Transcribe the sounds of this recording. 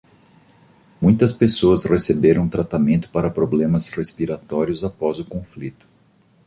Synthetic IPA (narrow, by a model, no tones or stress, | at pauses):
mũj̃t̪ɐspesoɐsʁesebeɾɐ̃w̃t̪ɾat̪amẽnt̪ʊ̥paɾɐpɾoblẽmɐsʁespiɾat̪ɔɾiʊzapɔzʊkõflit̪ʊ̥